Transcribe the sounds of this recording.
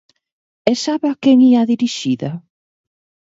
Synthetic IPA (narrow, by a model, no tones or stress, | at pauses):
ɛsaβɐkɛŋiaðiɾiʃiðɐ